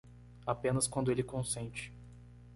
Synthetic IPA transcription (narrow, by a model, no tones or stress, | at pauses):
apẽnɐskwɐ̃nd̪ʊelɪkõsẽnt͡ʃɪ̥